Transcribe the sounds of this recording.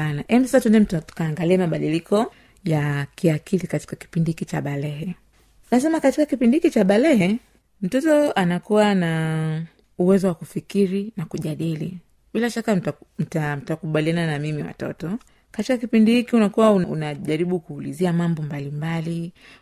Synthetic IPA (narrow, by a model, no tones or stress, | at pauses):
anaʔɛmisasatundɛm̩ttu̥kaːŋɡaliɛmaɓaɗilikʰɔ | jakiakʰilikati̥kaki̥pindihikit͡ʃaɓalɛɦɛ | nas̬ɛmakatikakipindihikit͡ʃaɓalɛɦɛ | m̩tɔtɔanakuwana | uwɛzɔwakufikiɾinakuʄaɗilḭ | ɓilaʃakam̩tam̩takuɓaliananamimiwa̰tɔ̰tɔ | katikakipindihikiunakuwaunṵnaʄaɾiɓukuːliziamambɔmbalimbali